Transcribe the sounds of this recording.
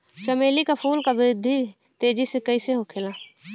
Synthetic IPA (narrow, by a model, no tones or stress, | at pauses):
t͡ʃəmeːlikapʰuːlkaʋɪɾɪd̪ʱːi | t̪eːd͡ʒisekəiseɦokʰela